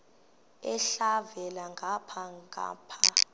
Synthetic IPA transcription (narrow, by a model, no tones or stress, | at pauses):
ɛɬavɛlaŋɡʱapʰaŋɡʱa̰ːpʰa